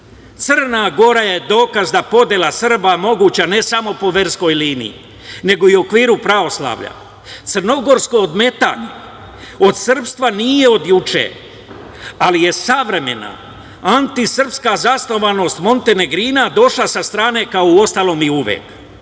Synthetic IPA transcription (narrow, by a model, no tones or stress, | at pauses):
t̪sɨrnaɡo̞ɾaje̞d̪o̞ːkazd̪apo̞d̪jelasr̩bamo̞ɡuːt͡ɕane̞samo̞po̞ʋe̞ɾsko̞jliːnḭḭ | ne̞ɡo̞iokʋiːɾupɾao̞slˠa̰ːʋʎa̰ | t̪sərno̞ɡo̞ɾskood̪me̞t̪a̰k | o̞d̪sr̩pst̪ʋanije̞o̞d̪jut͡ʃḛ | alije̞saʋɾe̞me̞na̰ | ant̪isr̩pskazasno̞ʋano̞st̪mo̞nt̪e̞ne̞ɡɾinad̪o̞ʃlasast̪ɾaːne̞kaouo̞st̪alˠo̞ːmiuʋjḛːk